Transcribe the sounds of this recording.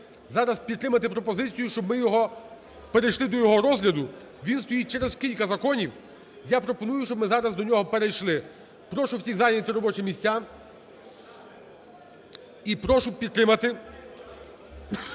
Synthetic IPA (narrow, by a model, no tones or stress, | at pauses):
zɑɾɐspʲid̪ɾɪmɐt̪ɪpɾɔpɔzɪt͡sʲijʊʃt͡ʃɔbmɪjɔɦɔ | peɾejʃlˠɪd̪ɔjɔɦɔɾɔzɦlʲɐd̪ʊ | ʋʲinst̪ɔjit͡ʃɛɾezkʲilʲkɐzɐkɔnʲiw | japɾɔpɔnujʊʃt͡ʃɔbmɪzɑɾɐzd̪ɔnʲɔɦɔpeɾejʃlˠɪ | pɾɔʃʊwsʲiɣzɑjʲnʲnʲɐt̪ɪɾɔbɔt͡ʃɪmʲisʲt͡sʲːa | ipɾɔʃʊpʲid̪t̪ːɾɪmɐt̪ɪ